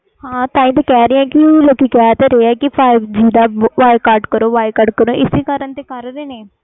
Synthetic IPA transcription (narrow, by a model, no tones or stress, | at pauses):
hãːt̪ãːĩːt̪ekɛːɾiːãːkɪloːkikɛːt̪eɾeːɛːkɪpʰaːɪbd͡ʒiːd̪aːʋaːɪkaːɾʈkəɾoːʋaːɪkəɖkəɾoːʔɪsikəɾənt̪eːkəɾɾeːneː